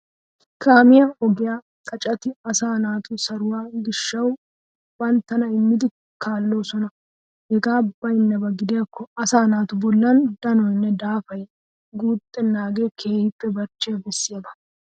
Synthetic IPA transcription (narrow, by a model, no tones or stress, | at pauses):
kaːmɪjɐʔɔɡɪjaː | kʼɐt͡ʃʼɐt̪ɪɐsaːnaːt̪ʰʊsɐɾʊwaːɡɪʃːɐw | bɐnt̪ːɐnɐɪmːɪd̪ɪ | kʰaːlːoːsɔnɐ | hɛɡaːbɐjnːɐbɐɡɪd̪ɪjɐkːɔɐsaːnaːt̪ʊbɔlːɐnd̪ɐnɔjnːɛd̪aːfɐj | ɡuːt̪ʼːɛnːaːɡe̞ːkʰe̞ːhɪpːɛbɐɾt͡ʃːeːbɛsːɪjab̪ɐ